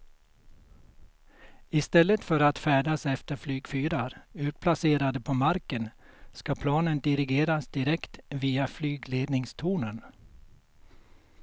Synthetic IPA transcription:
ɪst̪ɛlːət̪fœɾat̪fæːɖasɛft̪əɾflyːɡfyːɾaɾʉ̟ːt̪̚pʰlaseːɾad̪əpʰɔmaɾkənskapʰlɑːnənd̪ɪɾɪɡeːɾasd̪ɪɾɛkt̪viːaflyːɡleːd̪nɪŋst̪ʰuːnən

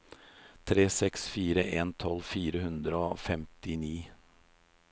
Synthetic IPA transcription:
t̪ʰɾeːsɛksfiːɾəʔeːnt̪ʰɔlfiːɾəhʉnd̪ɾəofɛmt̪ɪniː

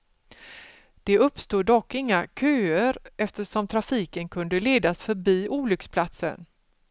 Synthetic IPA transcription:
d̪̥ɛɵpːst̪uːd̪ːɔkːɪŋːakʰøːəɾɛft̪əʂɔmt̪ʰɾafiːkənkʰɵnd̪əleːd̪asfœɾbiːʔuːlʏkspʰlat̪sə̰n

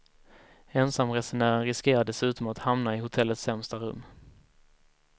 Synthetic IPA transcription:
ɛnsamɾɛsɵnæːɾənɾɪskeːɾadɛsʉ̟ːt̪ɔmat̪hamnaɪhʊt̪ʰɛlːət̪sːɛmst̪aɾɵ̰mː

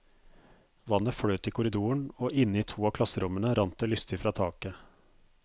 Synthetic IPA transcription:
ʋɑnəfɽœːt̪iːkʰʊɾɪd̪uːəɳoːʔɪnːəiːt̪ʰuːɑːkʰlɑsəɾʊmənəɾʔɑnt̪əlʏst̪ɪfɾɑːt̪ʰɑːkə

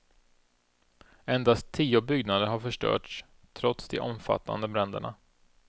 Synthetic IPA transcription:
ɛnd̪ast̪ʰːiːʊbʏɡnad̪əɾɦaɾfœʂʈœ̰ːʈʂ | t̪ʰɾɔt̪sd̪ɛ̰ʔɔmfa̰t̪ʰːa̰nd̪əbɾɛnd̪ə̰ɳa̰

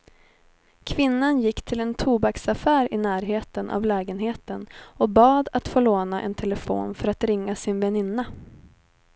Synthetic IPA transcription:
kʰvɪnːanjɪkːt̪ʰɪlɛnt̪ʰuːbaksafæːɾɪnæːɾɦeːt̪ənʔa̰vlɛːɡənɦeːt̪ənɔbɑːd̪at̪foːɭoːnaʔɛ̰nt̪ʰɛlɛfo̰ːnfœɾat̪ɾɪŋːasɪnvɛnɪnːa

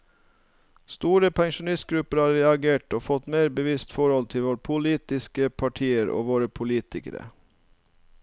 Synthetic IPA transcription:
st̪uːɾəpʰɛŋʃʊnɪst̪̚ɡɾʉpəɾhɑːɾɛɑɡeːʈoːfɔt̪meːɾbəʋɪst̪fɔɾɔlt̪ʰɪlʋoːɾpʰʊliːt̪ɪskəpʰɑʈʰiːəɾo̰ːʋoːɾəpʰʊliːt̪ɪkə̰ɾə̰

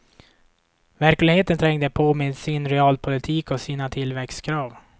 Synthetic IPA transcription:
væɾklɪɡheːt̪ənt̪ʰɾɛŋd̪əpʰoːmɪd̪sɪnɾɛɑːlpʰʊlɪt̪ʰiːkɔsiːnat̪ʰɪlvɛkst̪kʰɾɑːv

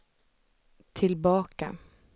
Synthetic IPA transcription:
t̪ʰɪlbɑːka̰

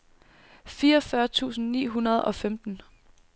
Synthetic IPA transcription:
fiːɐɒfɶɐt͡sʰṵːsn̩nḭːɦunɐð̞̩ˠɒ̽femd̥n̩

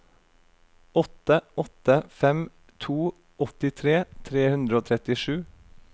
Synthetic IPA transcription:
ɔt̪əʔɔt̪əfɛm | t̪ʰuː | ɔt̪ɪt̪ʰɾeːt̪ʰɾeːhʉnd̪ɾəoːt̪ʰɾɛt̪ɪʃʉː

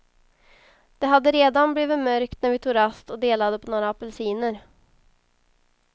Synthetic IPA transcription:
d̪̥ɛɦad̪ːəɾeːd̪anbliːvɪmœɾkt̪næɾvɪt̪ʰuːɾast̪ɔd̪eːlad̪əpʰɔnoːɾaapɛlsiːnəɾ

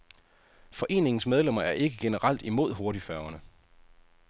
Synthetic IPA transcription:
fɒ̽ʔe̝̰ːne̝ŋn̩smeð̞ˠlemɐæɐʔe̝ɡ̥əɡ̥e̝nəʁal̰d̥imo̝ð̞̰ˠɦo̝ɐɾifæɐʊɐnə

